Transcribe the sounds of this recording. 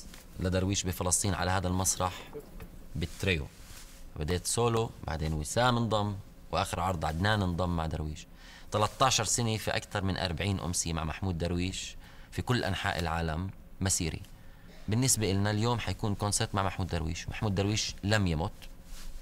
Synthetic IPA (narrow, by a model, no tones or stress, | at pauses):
lad̪ɑɾˤwiːʃbɪfɪlɑsˤt̪ˤiːnʕalahaːd̪almɑsˤɾˤɑħ | bɪt̪ːɾejo̰bad̪eːt̪soːloba̰ʕd̪eːnwɪsaːmɪnd̪ˤɑmː | wʔaːxɪɾʕɑɾˤd̪ˤʕad̪naːnɪnd̪ˤɑmːaʕd̪ɑɾˤwiːʃ | t̪alɑt̪ˤːɑːʃɑɾˤsɪnefiʔa̰kt̪ɑɾˤmɪnʔɑ̰ɾˤbaʕiːnʔʊ̰msɪjma̰ʕmaħmuːd̪ːɑɾˤwiːʃ | fikʊlːʔa̰nħa̰ːʔɪlʕaːlamː | asiːɾḭ | bɪnːɪsbaʔɪlnaljoːmħajakuːnkonseɾt̪maʕmaħmuːd̪ːɑɾwḭːʃmaħmuːd̪ːaɾwiːʃlamjamʊt̪